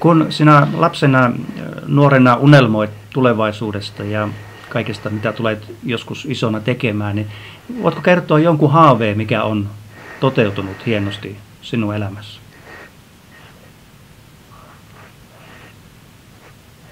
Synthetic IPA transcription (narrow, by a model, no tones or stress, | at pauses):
kunsinælɑpsenɑnuorenɑʔunelmoit̪t̪uleʋɑisuːdest̪ɑjɑ | kɑikest̪ɑmit̪æt̪ulet̪joskusisonɑt̪ekemæːni | ʋo̰it̪kokert̪oɑjoŋkuhɑːʋeːmikæont̪ot̪eut̪unut̪hienost̪i | sinuelæmæs